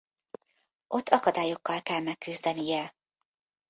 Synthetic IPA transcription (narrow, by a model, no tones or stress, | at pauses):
ʔo̞t̪ʰːɒkɒd̪aːjo̞kːɒlkɛlmɛkːyzd̪ɛnijɛ